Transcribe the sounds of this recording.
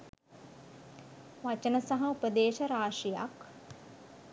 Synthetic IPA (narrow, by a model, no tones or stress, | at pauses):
ʋat͡ʃənəsaɦɐupəd̪eːʃɐɾaːʂija̰k